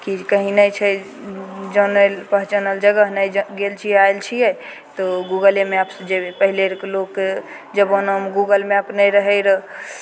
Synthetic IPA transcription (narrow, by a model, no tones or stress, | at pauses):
kikəɦinət͡ʃʰɛ | d͡ʒənəlpəɦt͡ʃənəld͡ʒəɡəɦnəjd͡ʒɡelt͡ʃʰiaelt͡ʃʰijɛ | t̪ɔɡuɡəlemeapsd͡ʒeepəɦileɾkelok | d͡ʒəbonəmɡuɡəlmapnəjɾəɦɛjɾə